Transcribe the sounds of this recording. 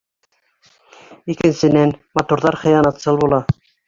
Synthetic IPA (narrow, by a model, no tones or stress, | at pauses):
ikɘ̆nsɘ̆nænmɑt̪uɾðɑɾχɤ̆jɑnɑt̪sɤlˠbulˠɑ